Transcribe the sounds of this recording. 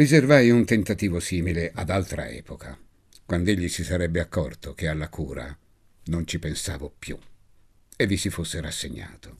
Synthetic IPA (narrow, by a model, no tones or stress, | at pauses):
rizervajunt̪ent̪at̪iːvosiːmileʔad̪alt̪ɾa̰ɛ̰ːpokʰa | kwand̪eʎːisisaɾɛbːeakːɔ̰rt̪ok̟ealːakuːɾa̰ | nont͡ʃipensa̰ːvopjṵ | evːisifosːeɾasːeɲːa̰ːt̪o̥